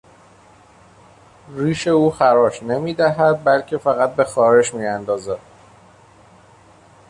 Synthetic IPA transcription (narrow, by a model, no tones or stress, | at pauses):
riːʃe̞uːxæɾɒːʃne̞miːd̪æɦæd̪̚bælcʰe̞fæɣæt̪̚be̞xɒːɾe̞ʃmiːænd̪ɒːzæ̥